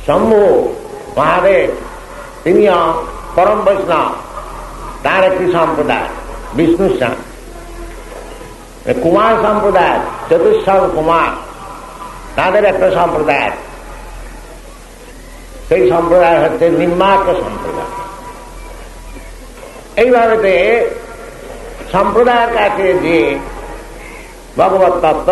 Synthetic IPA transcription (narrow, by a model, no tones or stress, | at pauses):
sɔmbʱuo | ʋaɦãd̪eɾ | t̪inijɔ | pɔɾɔmpəsnɔ̰ | t̪ãɾek̚ʈisɔmpɾɔd̪a̰j̰bisnusa̰n | ḛkumaɾsɔmpɾɔd̪at͡ʃʌt̪iʃːalkumaɾ | nad̪eɾɛk̚ʈɔsɔmpɾɔd̪aj̰t̪ | seisɔmpɾɔd̪ajɦɔt̪ːenimːakːɔsɔ̰mpɾɔ̰d̪a̰ | eibʱaɡet̪e | sɔmpɾɔd̪ajɾkat͡ʃʰed͡ʒie | bʱɔɡɔbɔt̪ːɔt̪ː